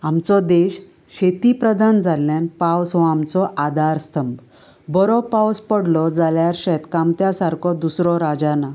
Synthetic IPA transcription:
amt͡sɔd̪eɕ | ɕet̪ipɾəd̪ʱand͡zʱalːjãnpawsɦɔamt͡sɔʔad̪ʱaɾst̪ʰəmb | bɔɾɔpawspəɽlɔd͡zaljaɾɕɛt̪kamt̪jasaɾkʰɔd̪usɾɔɾad͡ʑana

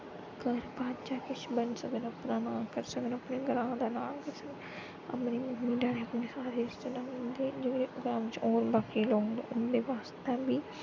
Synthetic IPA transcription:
kəɾbaːd̪d͡ʒaːkɪt͡ʃʰbənsəɡənəpnaːnãːkəɾsəɡənəpneːɡəɾãːd̪aːnãːkəɾsəɡ | a̰pneːmʊɦmĩːɖaːɽeːəpneːsaːɾeːɪst̪enaːʊnd̪eːd͡ʒekɽeːpɾʊɡaːmt͡ʃoːɾbaːkiːloːŋd̪o̰ːʊnd̪eːʋaːst̪ãːbiː

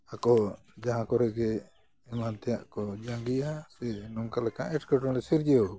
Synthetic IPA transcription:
akɔ | d͡ʒaɦãkɔɾɛɡɛ | ɛmant̪ɛjaʔkɔd͡ʒãŋɡijasɛnɔŋkalɛkaʔɛʈkaʈɔlɛsiɾd͡ʒɛo

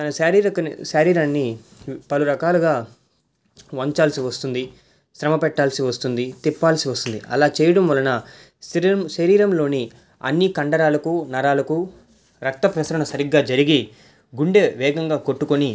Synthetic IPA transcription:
t̪ɐnɐɐɾiɾɐkɐʃɐɾiːɾɐnːipɐluɾɐkaːluɡaː | ʋoɲt͡ʃaːlsiʋɐst̪und̪i | ʃɾɐmɐpɛʈːaːlsiʋɐst̪und̪it̪ipːaːlsiʋɐst̪und̪ḭʔɐ̰laːt͡ʃɛːjɐɽɐmʋɐlɐnɐ | mʃɐɾiːɾɐmlo̞ːni | ɐ̰nːikɐɳɖɐɾaːlɐkunɐɾaːlɐku | ɾɐk̚t̪ɐpɾɐsɾɐɳɐsɐɾiɡːaːd͡ʒɐɾiɡi | ɡuɳɖeʋɛːɡɐŋɡaːkoʈːukoni

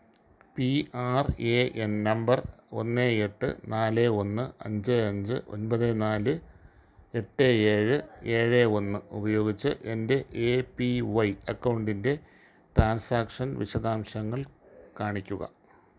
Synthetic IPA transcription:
piaːreʔennɐmbɐro̞̰nːeeʈːɨ̰naːleo̞nːɨɐ̰ɲd͡ʑeɐɲd͡ʑɨ̰ʔo̞̰nbɐðenaːlɨ | e̞ʈːeeːɻɨe̞ːɻeo̞nːɨubɐjo̞ːɡit͡ɕːɨʔe̞nde̞ʔepiʋɐjɐkːɐwɳɖinde̞ | ʈraːnsaːkʂɐnʋḭɕɐðaːmɕɐŋːɐɭkaːɳikʲːuɣɐ̰

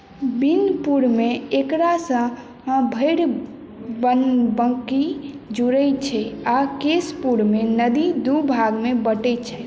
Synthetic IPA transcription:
binpuɾmeekɾasə̃ | bʱəɪɽ | ənbəŋkid͡ʒuɾɛt͡ʃʰɛakespuɾmenəd̪id̪ubʱaɡmebəʈɛt͡ʃʰɛ

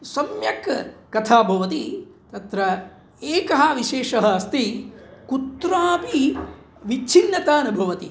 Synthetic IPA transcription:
sɐmjɐkkɐt̪ʰaːbʱɐʋɐt̪it̪ɐt̪ɾɐ | eːkɐɦɐʋiʃeːʂɐɦɐːst̪ikut̪ɾaːpi | ʋit͡ʃʰinːɐt̪aːnɐbʱɐʋɐt̪i

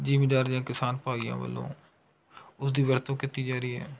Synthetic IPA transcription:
d͡ʒiːmɪɖaːɾd͡ʒãːkɪsaːnpaːiːã̰ːʋə̰lːõ̰ː | ʊsd̪iːʋəɾt̪õːkɪt̪iːd͡ʒaːɾiːɦɛː

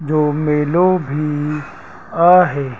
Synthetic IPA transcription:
d͡ʒoːmeːlobʱi | aːɦɛː

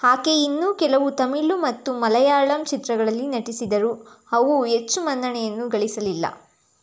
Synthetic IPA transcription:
haːke̞inːuːkɛlɐʋut̪ɐmiɭːumɐt̪ːumɐlɐjaːɭɐmt͡ʃit̪ɾɐɡɐɭɐlːinɐʈisid̪ɐɾu | ɐʋuɦet͡ʃːumɐnd̪ɐɳɛjɐnːuɡɐɭisɐlilːɐ̰

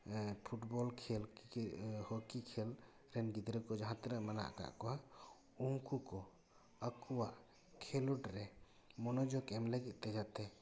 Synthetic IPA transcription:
pʰuʈbɔlkʰɛl | hɔkikʰel | ɾɛnɡid̪ɾɛkɔd͡ʒaɦãt̪ɾaʔmana̰ʔka̰ʔkɔa | uŋkukɔ | əkuwaʔ | kʰɛluʈɾɛ | mɔnɔd͡ʒɔkɛmlɛɡit̪t̪ɛd͡ʒat̪ʰɛ

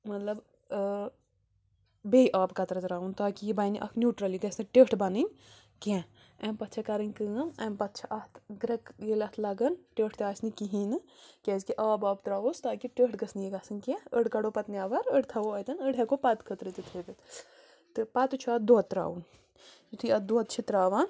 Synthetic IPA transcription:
mɐt̪lɐb | beːiʔaːbkɐt̪ɾɐt̪ɾaːunt̪aːkijibaːnḭʔɐ̰kʰnjuːʈɾɐliɡɐsnɐʈeʈʰbanɨnʲ | kɛ̃ | ɛmpɐt̪ːt͡ʃʰɐkɐɾɨnʲkɨɐmɐmpɐt̪ːt͡ʃʰɐʔɐt̪ʰɡɾɐkɡelʲɐt̪ʰlɐɡɐnʈeːʈʰt̪ʲaːsnikiɦinɨkʲɛzkiʔɐbaːbt̪ɾaːost̪aːkiʈeːʈɡɐsnijiɡasɨnkẽəɽkɐɽopɐt̪niaːʋɐɾəɽt̪ʰɐʋoɐt̪ɐnəɽekopɐt̪kʰət̪ɾɨt̪it̪ʰit̪ɨt̪ | t̪ɨpat̪t͡ʃʰuɐd̪ot̪ːɾa̰ːun | it̪ʰiɐt̪̚d̪oɐt̪̚t͡ʃʰit̪ɾaːʋaːn

